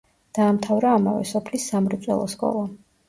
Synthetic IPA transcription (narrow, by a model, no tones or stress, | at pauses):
d̪̥aːmt̪ʰavɾaːmavɛ̰sɔpʰlisːamɾt̪sʼwɛ̰lˠɔskʼɔ̰lˠa